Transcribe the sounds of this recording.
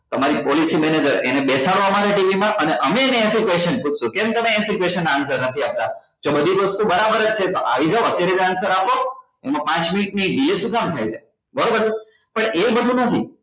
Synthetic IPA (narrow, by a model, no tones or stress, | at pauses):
t̪əmaɾipɔlisimɛned͡ʒəɾḛnebesaɽʋamaɾaʈiʋimãʔəneʔəmeːneːsikʋesʃənput͡ʃʰʃũkẽmt̪əmeːsikʋeʃənːaːnsəɾnət̪ʰiap̚t̪a | d͡ʒobəd̪ʱiʋəst̪ubəɾabəɾəd͡ʒt͡ʃʰet̪oʔa̰ʋid͡ʒaoət̪jaɾed̪ansəɾapo | emãpãt͡ʃminiʈniɖilisũkamt̪ʰajd͡ʒʰe | bəɾobəɾe | pəɳebəd̪ʱunət̪ʰi